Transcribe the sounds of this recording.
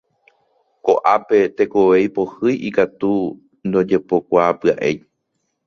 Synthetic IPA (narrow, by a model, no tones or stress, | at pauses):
koʔape̞t̪e̞ko̞ʋe̞jpo̞hɨjʔikat̪u | nd̪o̞d͡ʒe̞po̞kʷapɨaʔe̞j